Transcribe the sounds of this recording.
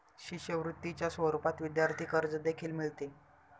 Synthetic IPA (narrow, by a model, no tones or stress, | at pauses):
ɕiɕjəʋɾut̪ːit͡ɕjasʋəɾupat̪ʋid̪jaɾt̪ʰiːkəɾd͡zəd̪ekʰiːlmiɭt̪e